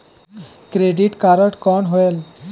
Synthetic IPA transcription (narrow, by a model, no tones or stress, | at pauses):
kɾeɖiʈkaɾəʈkɔɳɦoel